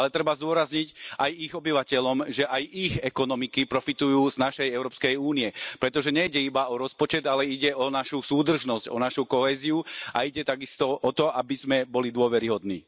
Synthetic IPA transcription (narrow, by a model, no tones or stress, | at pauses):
alɛt̪ɾɛbazd̪ʊɔɾazɲiɟajiɣɔbiʋacɛʎɔmʒɛʔajʔiɣɛkɔnɔmikipɾɔfit̪ujuːznaʃɛjɛʊɾɔːpskɛjuːniɛpɾɛt̪ɔʒɛɲɛiɟɛibaɔɾɔspɔt͡ʃɛd̪alɛiɟɛɔnaʃusuːd̪r̩ʒnɔzcɔ̰naʃukɔɦɛːziua̰iɟɛt̪aɡist̪ɔʔɔt̪ɔʔabizmɛbɔlid̪ʊɔʋɛɾiɦɔd̪nḭː